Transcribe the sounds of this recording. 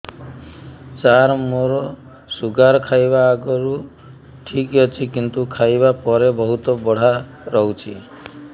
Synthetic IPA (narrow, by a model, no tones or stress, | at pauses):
t͡ʃaɾmoɾɔ | suɡaɾɔkʰajbaːɡɔɾu | ʈʰikjɔt͡ʃʰikint̪ukʰajbapɔɾebɔɦut̪ɔbɔɽ̤a | ɾɔɦwt͡ʃʰi